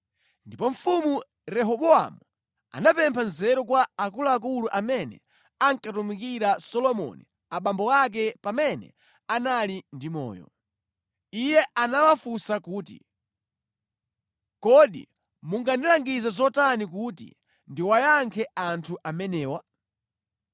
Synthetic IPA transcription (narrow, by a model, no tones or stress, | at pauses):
ndipɔɱ̩fumu | ɾɛɦɔɓɔa̰mu | a̰napɛmpʰanzɛɾɔkwaakulaːk̬uluʔamɛnɛ̰ | aŋkatumikiɾasɔlɔmɔ̰nḭ | aɓambɔak̬ɛpamɛnɛ̰ | analindimɔ̰ːjɔ̰ | ijɛʔanawafusakuːtḭ | kɔɗḭ | muŋɡandilaŋɡizɛzɔtanik̬utḭ | ndiwajaŋkʰɛantʰuʔamɛnɛːwa